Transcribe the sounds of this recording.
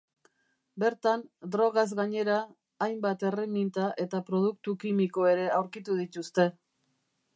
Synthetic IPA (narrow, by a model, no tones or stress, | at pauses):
be̞ɾt̪and̪ɾo̞ɣ̞azɣaɲe̞ɾaː | jmbat̪e̞re̞mint̪aʔe̞t̪apɾo̞ð̞uk̚t̪ukimiko̞e̞ɾe̞awɾkit̪uð̞it̪ust̪e̞